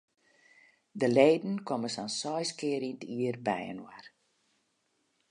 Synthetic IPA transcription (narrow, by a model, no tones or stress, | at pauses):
dəleːdn̩kʰoməsansɔjskɪəɾintʰiərbɛ̰jə̰nwa̰r